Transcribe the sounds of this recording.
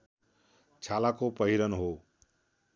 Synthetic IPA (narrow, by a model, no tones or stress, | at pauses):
t͡ʃʰalakopʌɦiɾʌnɦo